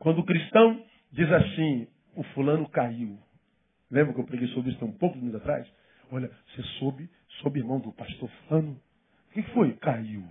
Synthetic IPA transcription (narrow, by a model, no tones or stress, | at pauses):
kwɐ̃nd̪ʊːkɾiʃt̪ɐ̃w̃ | d͡ʒizasĩ | ʊfulɐ̃nʊkaiw | lẽbɾʊkewpɾeɡejsobɾisʊt̪ẽũpowkʊmĩzat̪ɾa̰js | ɔlɐsesobɪ | sobɪiɾmɐ̃w̃d̪ʊpaʃt̪oɾfu̥lɐ̃nʊ | kekɪ̥fojkaiw